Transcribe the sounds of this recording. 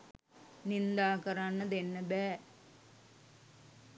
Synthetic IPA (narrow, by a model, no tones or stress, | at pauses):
nind̪aːkɐɾanːɐd̪enːɐbeː